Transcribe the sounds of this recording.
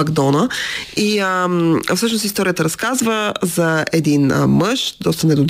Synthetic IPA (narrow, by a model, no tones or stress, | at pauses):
ɐɡd̪ɔnəiəmfsɤʃnosist̪ɔɾijət̪əɾɐskazvəzɐɛd̪inməʃd̪ɔst̪ənɛd̪ʊd̪